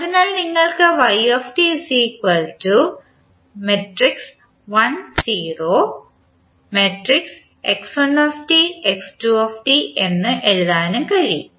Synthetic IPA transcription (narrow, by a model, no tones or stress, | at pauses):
ɐðinaːɭniŋːɐɭkɨʋɐjoːfʈisiːkwɐltu | meʈriks | ʋɐnsiːroː | meʈriks | eksɐnoːfʈieksʈuoːfʈiʔe̞nːɨʔelːaːnumkɐɻi